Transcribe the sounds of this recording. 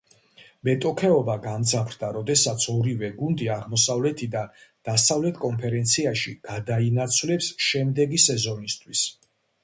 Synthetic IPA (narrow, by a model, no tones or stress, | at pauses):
mɛt̪ʼɔkʰɛɔbaɡamd̪zapʰɾd̪aɾɔd̪ɛsat̪sʰɔɾivɛɡund̪iaʁmɔsavlɛt̪ʰid̪ad̪̥asavlɛt̪ʰkʼɔnpʰɛɾɛnt̪sʰiaʃiɡ̥ad̪ainat̪sʰvlɛpsʃɛmd̪ɛɡisɛzɔnist̪ʰwis